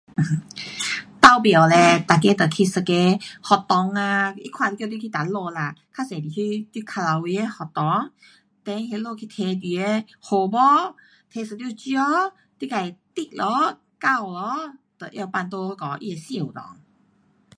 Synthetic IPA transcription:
t̪a˧wpje˨˩wlɛ˧t̪a˨˩ke˧˦t̪ə˨˩kʰi˧sə˧˩ke˧hɔ˨˩t̪ɔ˨˦ŋa˧ḭ˦kʰwã˧t̪i˧kjt̪ji˧kʰi˧t̪a˨lo˧la˧kʰa˦˧sẽ˨˩d̪i˨˩kʰi˧t̪i˧˩kʰa˧la˨˧wwi˧˦e˧hɔ˨˩t̪ɔ˨˦ŋ | t̪e˧˦ŋ˧he˧lo˧˨kʰi˧t̪ʰe˧d̪i˨˩e˧ | ho˨˩bɔ˦ | t̪ʰe˧sə˨t̪ji˧˨t͡ɕjɔ˦ | t̪i˧ka˨˩jt̪i˧˩k̚lɔ˧˦ | ka˥˧wlɔ˧˦t̪ə˨˩ʔja˧wpa˧nt̪o˧kɔ˨˦ʔḭ˧e˨˧sĩ˧˨wu˨t̪ɔ̰˨˦ŋ

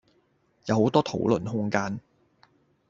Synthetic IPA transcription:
jɐ˨who˨˥wt̪ɔː˥t̪ʰo̰˨˥wlɵ˨˩nɦʊ˥ŋkaː˥n

